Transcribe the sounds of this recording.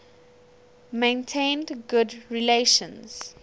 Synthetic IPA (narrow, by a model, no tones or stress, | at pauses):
mẽntʰẽndɡʊdɹileʃə̃nz̥